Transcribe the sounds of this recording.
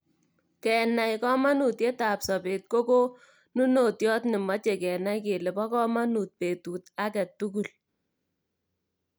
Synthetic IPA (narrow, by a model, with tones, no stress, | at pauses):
kɛ˨na˨jkɔ˦ma˦nu˨tje˦ta˨psɔ˨pe˨t̚ko˦ko˦ | nu˦no˨tjɔ˦tnɪ˨ma˦t͡ʃe˨kɛ˨na˦jke˨le˨pɔ˦kɔ˦ma˦nu˨t̚pe˨tuː˨ta˦kɛ˨tu˦k̬u˨l